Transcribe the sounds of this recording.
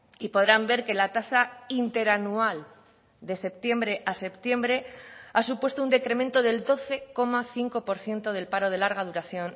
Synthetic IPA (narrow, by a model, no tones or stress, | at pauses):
ipo̞ðɾambe̞ɾke̞lat̪asaint̪e̞ɾanual | d̪e̞se̞p̚t̪je̞mbɾe̞ʔase̞pt̪je̞mbɾe̞asupwe̞st̪ound̪e̞kɾe̞mẽnt̪o̞ð̞e̞ld̪o̞θe̞ko̞maθiŋko̞po̞ɾθje̞nt̪o̞ðe̞lpaɾo̞ð̞e̞laɾɣ̞að̞uɾaθjo̞n